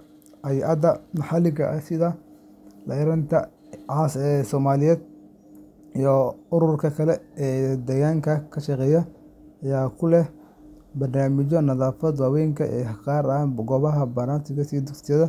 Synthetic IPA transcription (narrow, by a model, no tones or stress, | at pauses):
ʔɐjʔɐd̪ɐnɐħɑlɪɡɐʔɐsɪðɐ | lʔɐɪɾɐnt̪ʰɐ | ʕasɛsɔːmaːlɪjɛːd̪̚ | ijɔʊɾʊrkʰɐkʰɐlɛɛːd̪ɛːɣaːŋkʰɐkʰɐʃɐqɛːjɐ | ɐjaːkʰʊlɛ | bɐrnaːmɪt͡ʃɔnɐðaːfɐd̪waːwɛjŋkʰɐʔɛ̰ːqɑːrɐaːnbɡɔβɐɦɐbɐɾaːsɪɣɐsiːd̪ʊksɪjɐðɐ